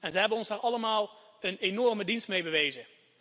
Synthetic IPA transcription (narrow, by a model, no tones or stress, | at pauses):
ɛnzəɦɛbənɔnzaːɹʔɑləmaːlˠ | ənenɔrmədinstmejbəʋejzə